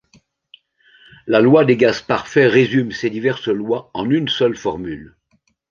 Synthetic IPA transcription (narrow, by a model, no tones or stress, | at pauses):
lalwad̪eɡazpaʁfɛʁezymsed̪ivɛʁslwaɑ̃nynsœlfɔʁmyl